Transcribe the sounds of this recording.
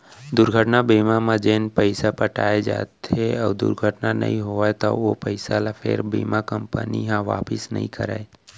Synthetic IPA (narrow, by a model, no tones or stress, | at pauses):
d̪ʊɾɡʱəʈnabiːmamãd͡ʒeːnpəɪsapəʈa̰ːed͡ʒa̰ːt̪eɔːd̪ʊ̰ɾɡʱəʈnanə̰ɦĩɦoaet̪ɔopəɪsalapʰḛɾbḭːmakəmpəniɦãʋa̰ːpɪsnə̰ɦḭ̃kə̰ɾa̰e